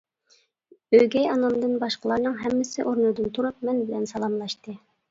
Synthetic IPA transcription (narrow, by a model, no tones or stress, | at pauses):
øjɡʲɛjɑnɑnd̪ɨnbɑʃqəlˠɑɾnəŋɦæmːɪsɪʔoɾnud̪ɯnt̪ʰuɾup̚mɛnbɪlɛnsɑlˠɑmlˠɑʃt̪ɨ